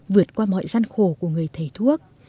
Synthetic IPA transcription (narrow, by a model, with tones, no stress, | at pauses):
vɨ˨˩ət̚kwaː˧mɔ̰˧˨jza˧nxo˧˩ku˧˩əŋɨ˨˩əjt̪ʰe˨˩t̪ʰu˦˥ək̚